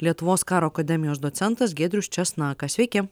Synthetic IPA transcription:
lʲiɛt̪ʊʋoːskɑːɾoːkɐd̪ʲɛmʲɪjoːsd̪oːt̪sʲɛnt̪ɐs̬ɡʲeːd̪ʲɾʲʊsʲt͡ʃʲɛsnɑːkɐsʋʲɛɪkʲɛ

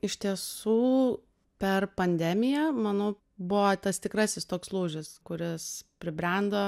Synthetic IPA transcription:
ɪʃʲt̪ʲiɛsuː | pʲɛrpɐnʲd̪ʲɛmʲɪjɛmɑnoː | bʊʋoːt̪ɐst̪ʲɪkɾɑsʲɪst̪oːkslˠuːʒʲɪskʊɾʲɪspʲɾʲɪbʲɾʲænd̪oː

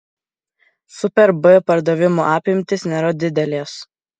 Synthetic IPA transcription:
sʊpʲɛɾbɨpɐɾd̪ɐʋʲɪmoːʔɑːpʲɪmʲt̪ʲɪsnʲɛɾɐd̪ʲɪd̪ʲɛlʲeːs

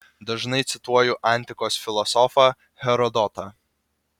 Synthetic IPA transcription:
d̪ɐʒnɐɪt̪sʲɪt̪uɔjuʔɑˑnʲt̪ʲɪkoːsfʲɪlˠɔsɔfɐ | hʲɛɾɔd̪ɔt̪ɐ

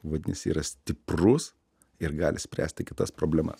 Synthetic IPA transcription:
ʋɐd̪ʲɪnʲɪ̰siːɾɐsʲt̪ʲɪprʊs | ɪɾɡɑːlʲɪsʲpʲɾʲæ̰ːsʲt̪ʲɪkʲɪt̪ɐspɾoːbʲlʲɛmɐ̰s

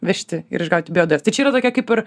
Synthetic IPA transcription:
ʋʲɛʃʲt̪ʲɪɪ̰ɾɪʒɡɐʊt̪ʲɪbʲɪoːd̪ɛːst̪ɐɪt͡ʃʲɛiːɾɐt̪oːkʲɛkɐɪpɪɾ

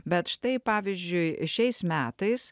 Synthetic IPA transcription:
bʲɛt̪ʃt̪ɐɪpɑːʋʲɪzʲd͡ʒʲʊɪʃʲɛɪsmʲæːt̪ɐɪs

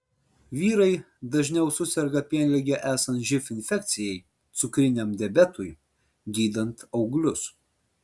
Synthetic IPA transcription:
ʋʲiːɾɐɪ | d̪ɐʒʲnʲɛʊsʊsʲɛɾɡɐpʲiɛnʲlʲɛɡʲɛʔæːsɐnt̪ʒʲɪfʲɪnʲfʲɛk̚ʲt̪sʲɪjɛɪ | t̪sʊkɾʲɪnʲɛmd̪ʲɛbʲɛt̪ʊj | ɡʲiːd̪ɐnt̪ɒʊɡlʲʊs

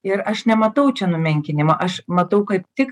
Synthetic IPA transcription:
ɪɾɐʃnʲɛmɐt̪ɐʊt͡ʃʲɛnʊmʲɛŋʲkʲɪnʲɪmɐʔɐʃmɐt̪ɐʊkɐɪp̚t̪ʲɪk

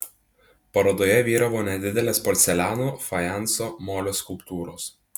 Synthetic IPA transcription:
pɐɾɐd̪oːjɛʋʲiːɾɐʋoːnʲɛd̪ʲɪd̪ʲɛlʲeːspɔlʲt̪sʲɛlʲæːnuːfɐjænsoːmoːlʲoːskʊlˠpt̪uːɾoːs

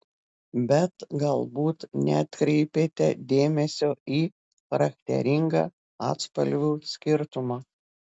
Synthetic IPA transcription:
bʲɛt̪ɡɐlˠbuːt̪nʲɛ̰t̪ʲkɾʲɛɪpʲeːt̪ʲɛd̪ʲeːmʲɛsʲoːiː | xɐɾɐk̚ʲt̪ʲɛ̰ɾʲɪŋɡɑ̰ː | ɑ̰ːt̪spɐlʲʋʲuːsʲkʲɪɾt̪ʊmɑː

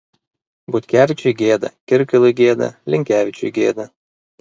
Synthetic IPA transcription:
bʊt̪ʲkʲæːʋʲɪt͡ʃʲʊɡʲeːd̪ɐ̰kʲɪɾʲkʲɪlˠʊjɡʲeːd̪ɐ̰lʲɪŋʲkʲæːʋʲɪt͡ʃʲʊ̰ɡʲeːd̪ɐ

